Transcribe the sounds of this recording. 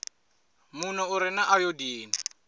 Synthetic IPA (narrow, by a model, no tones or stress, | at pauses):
munɔʊɾɪnaʔajodiːna